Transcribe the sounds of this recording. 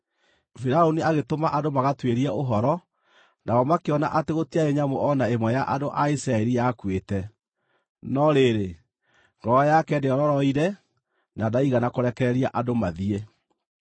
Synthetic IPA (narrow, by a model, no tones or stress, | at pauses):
fiɾaoniaɣetomaʔandomaɣatweɾiaʔoɦɔɾɔ | naɔmakeɔnaʔateɣotiaeɲamoʔɔnaemwɛjaʔadoʔaisɾaɛɾijakwetɛ | nɔɾeɾe | ŋɡ̥ɔɔjakɛndeɔɾɔɾɔiɾɛ | nadaiɣanakoɾɛkɛɾɛɾiaʔandomaðiɛ